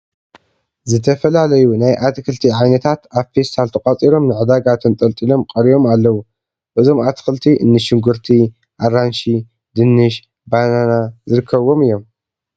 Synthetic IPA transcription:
zɨt̪ʰɐfɐlalɐjunajʔat̪ɨkɨlt̪ʰiʕajnɐt̪ʰat̪aβfe̞st̪ʰalt̪ʰɐkʼɐt͡sʼiɾo̞mnɨʕɨd̪aɡat̪ʰɨnt̪ʼɐlt̪ʼilo̞mkʼɐɾijo̞malːɐwu | ʔɨzo̞mat̪ʰxɨlt̪ʰiʔɨnːɨʃɪŋɡɨɾt̪ʰi | ʔaranʃi | d̪ɨnːɨʃ | bananazɨɾɨkʰːɐβo̞mɨjːo̞m

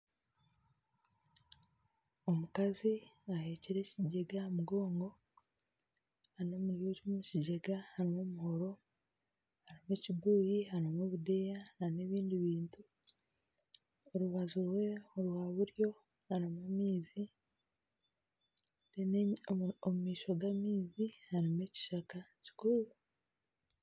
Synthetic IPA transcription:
o̞mukaziahe̞ːciɾe̞ːciɟeɡamuɡo̞ːŋɡo̞ | haɾino̞muɾjoːcomuciɟeɡahaɾimo̞muho̞ɾo̞ | haɾimweciɡuːjiɦaɾomeβudejanane̞βiːndiβiːntu | oɾuβazowe̞oɾwaːβuɾjo̞ | haɾimamiːzi | den | omumiːʃo̞ɡamiːzihaɾime̞ci̥ʃakaci̥kuɾu

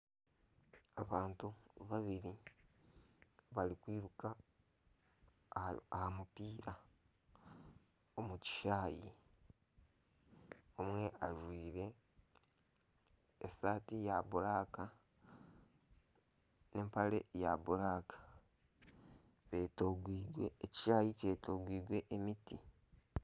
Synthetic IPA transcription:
aβaːntuβaβiɾi | βalikwiːɾuka | ahamupiːɾa | omuci̥ʃaːjḭ | omwe̞ʔaʒwiːɾe̞ | esaːtijaβuɾaːka | ne̞mpale̞̰jaβuɾaːkḁ | βetoɡwiɡweːci̥ʃaːjice̞toɡwiːɡwe̞ʔemiti

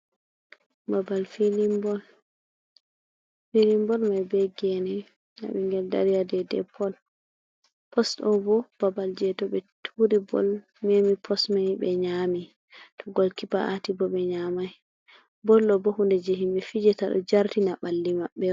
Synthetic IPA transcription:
babalfilimbɔl | filimbɔlmajbɛɡɛnɛ | na̰ɓɛŋɡɛlda̰ɾijadɛdɛ̰pɔl | pɔstɔbɔb̥abald͡ʒɛtɔɓɛtʰuɾibɔ̰l | memipʰɔsmajbɛɲami | tʰɔɡɔlkipaatibɔɓɛɲamaj | bɔlːɔbɔhundɛd͡ʒeɦimbɛfid͡ʒɛtaɗɔ̰d͡ʒaɾtinaɓalːimaɓːɛ

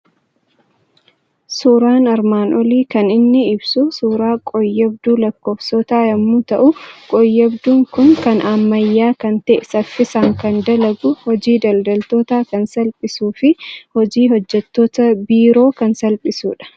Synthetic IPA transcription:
suːɾaːnɐɾmaːnʔɔliːkɐnɪnːɪɪbsʊsuːɾaːkʼɔjːɛbd̪uːlɐkːoːfsɔt̪aːjɐmːuːt̪ɐʔʊkʼɔjːɛbd̪uːŋkʊŋkɐnɐmːɐjːaːkɐnt̪ɛʔɪsɐfːɪsaːŋkɐnd̪ɐlɐɡʊhɔd͡ʒiːd̪ɐld̪ɐlt̪oːt̪aːkɐnsɐlpʼɪsuːfɪhɔd͡ʒiːhɔd͡ʒːɛt̪ːoːt̪ɐbiːɾo̞ːkɐnsɐlpʼɪsṵːᶑɐ̥

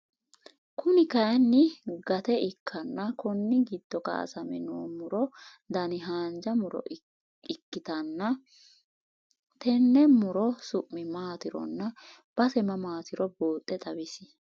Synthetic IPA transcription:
kʊnɪkɐjnːɪɡɐt̪ɛɪkʰːɐnːɐkɔnːɪɡɪd̪̥ːɔkɐ̰ɐ̰sɐmɛnoːmʊɾɔ | d̪ɐnɪɦaːnd͡ʒɐmʊɾɔ̰ | ɪkːɪt̪ɐnːɐ | t̪ɛnːɛmʊɾɔsʊʔmːɪmaːt̪ɪɾɔ̰nːɐ | b̥ɐsɛmɐmaːt̪ɪɾɔboːt̪ʼːɛt̪ʼɐbɪsɪ

